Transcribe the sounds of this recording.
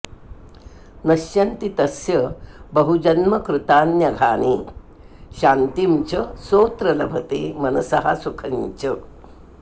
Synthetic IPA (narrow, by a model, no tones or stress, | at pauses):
nɐʃjɐnt̪it̪ɐsjɐbɐɦud͡ʒɐnmɐkɾut̪aːnjɐɡʱaːni | ʃaːnt̪imt͡ʃɐsoːt̪ɾɐlɐbʱɐt̪eːmɐnɐsɐɦa̰sukʰɐɲt͡ʃɐ